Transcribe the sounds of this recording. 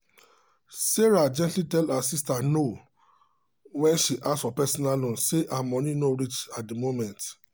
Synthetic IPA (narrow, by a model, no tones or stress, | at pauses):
seɹad͡ʒɛ̃ntlitɛlasistano | wɛ̃nʃiʔasfɔpɛsɔnalɔ̃nseʔamɔ̃nĩnoɾit͡ʃat̚demomɛ̃nt